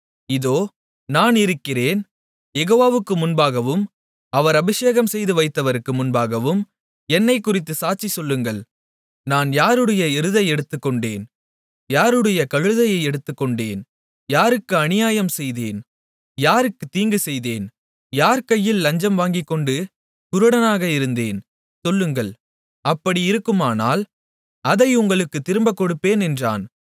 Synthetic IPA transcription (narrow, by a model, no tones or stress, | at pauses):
ɪðoː | naːnɪɾɯkːɪreːn | jɛɣoːʋaːʋɯkːɯmʊnbaːɣɐʋɯm | ɐʋɐɾɐbɪʂeːɣɐmsɛjðɯʋɐɪt̪ːɐʋɐɾɯkːɯmʊnbaːɣɐʋɯm | ɛnːɐɪkːʊrɪt̪ːɯsaːt͡ʃisɔlːɯŋɡɐɭ | naːnjaːɾɯɽɐjɐɪɾɯðɐɪɛɽɯt̪ːɯkːɔɳɖḛːn | jaːɾɯɽɐjɐkɐɻɯðɐjɐɪɛɽɯt̪ːɯkːɔɳɖeːn | jaːɾɯkːɯɐnɪjaːjɐmsɛjðeːn | jaːɾɯkːɯt̪ːiːŋɡɯsɛjðeːn | jaːɾkɐjːɪlːɐɲd͡ʒɐmʋaːŋɡɪkːɔɳɖɯ | kʊɾɯɽɐnaːɣɐɪɾɯnd̪eːn | sɔlːɯŋɡɐɭ | ɐpːɐɽiɪɾɯkːɯmaːna̰ːl | ɐðɐɪʊŋɡɐɭɯkːɯt̪ːɪɾɯmbɐkːɔɽɯpːeːnɛndra̰ːn